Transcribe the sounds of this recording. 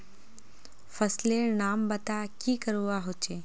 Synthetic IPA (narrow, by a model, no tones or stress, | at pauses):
fəsleːnaːmbət̪akiːkəɾuaɦot͡ʃeː